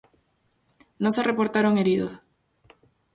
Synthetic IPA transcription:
noserepo̞ɾt̪aɾo̞ŋe̞ɾiðos

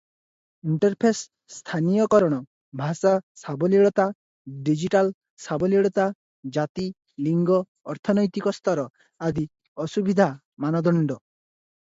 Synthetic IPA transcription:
iɳʈɔɾpʰesː | t̪ʰanijɔkɔɾɔɽ̃ɔ | bʱasasabɔliɭɔt̪a | ɖid͡ʒiʈal | sabɔliɭɔt̪a | d͡ʒat̪i | liŋɡɔː | ɾt̪ʰɔnɔjt̪ikɔst̪ʰɔɾɔ | ad̪i | ɔsubid̪ʱa | manɔd̪ɔɳɖɔ

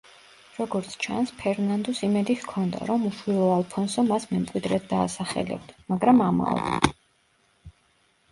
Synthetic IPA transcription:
ɾɔɡɔɾt̪sʰt͡ʃʰa̰nspʰɛɾnand̪ɔsimɛd̪ihkʰɔnd̪a̰ɾɔmuʃwilˠɔalˠpʰɔnsɔmasmɛmkʼwid̪ɾɛt̪̚d̪a̰ːsaχɛ̰lɛ̰bd̪̥maɡɾamama̰ɔ̰d̪̰

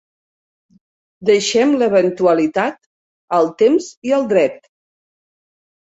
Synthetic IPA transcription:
d̪əʃɛmləβənt̪uəlit̪at̪̚ | əlˠt̪emziəlˠd̪ɾɛt̪

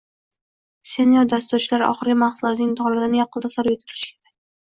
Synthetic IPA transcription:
se̞njoɾd̪ast̪ʊɾt͡ʃʰɪlaɾʔɒ̰χɨɾɡʲamaχsʊlˠɒt̪nɪŋt̪ʰɒlˠad̪ɪnɪjɒqʰɨlˠd̪asɒɾet̪kʰɪlɪ̥ʃɪ̥kʲʰeɾakʲ

